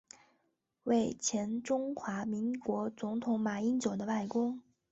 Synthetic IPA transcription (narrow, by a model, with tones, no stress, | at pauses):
we˥˩ɪt͡ɕʰjɛ˧˥nʈ͡ʂʊ˥ŋxwa˧˥mi˧˥ŋkwɔ˧˥t͡sʊ˧˥ŋt̪ʰʊ˧˥ŋma˨˩i˥nt͡ɕjo˨˩ʊd̪ə˦wa˥˩ɪkʊ˥ŋ